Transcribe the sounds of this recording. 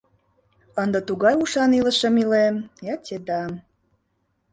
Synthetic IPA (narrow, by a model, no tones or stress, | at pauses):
ənd̪ə̆t̪uɣɑjuʃɑnilə̆ʃə̆milemjɑtʲed̪ɑm